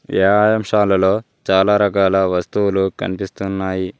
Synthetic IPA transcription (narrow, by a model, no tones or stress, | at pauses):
ḛːaːjɐmʂaːlɐlo̞ː | t͡ʃaːlaːɾɐkaːlɐʋɐst̪uwulukɐ̰nipist̪unːaːji